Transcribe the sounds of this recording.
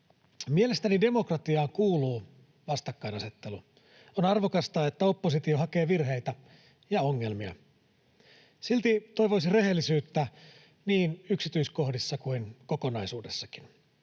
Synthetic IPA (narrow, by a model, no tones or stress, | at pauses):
mie̞le̞st̪ænide̞mo̞krɑt̪iɑːŋkuːluː | ʋɑst̪ɑkːɑinɑse̞t̪ːe̞lu | onɑrʋo̞kɑst̪ɑet̪ːæo̞pːos̬it̪ioɦɑke̞ːʋirɦe̞jt̪æ | jɑoŋːe̞lmiɑ̰ | silt̪it̪o̞jʋo̞isire̞ɦe̞lːisyːt̪ːæ | niːnyksit̪yisko̞hdisːɑkuinko̞ko̞nɑisuːdesːɑkin